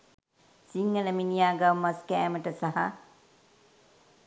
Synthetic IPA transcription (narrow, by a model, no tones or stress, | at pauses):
siŋːələminijaːɡawmaskɛːməʈəsaɦa